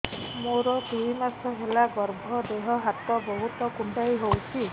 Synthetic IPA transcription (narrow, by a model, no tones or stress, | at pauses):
moɾɔd̪uɦimasɔɦelaɡɔɾbʱɔd̪eɦɔɦat̪ɔbɔɦut̪ɔkuɳʈajɦowt͡ʃʰi